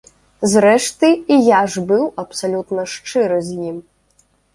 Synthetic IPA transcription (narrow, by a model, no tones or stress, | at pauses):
zɾɛʂt̪ɨijaʐbɨwɐpsalʲut̪nɐʂt͡ʂɨɾɨzʲjim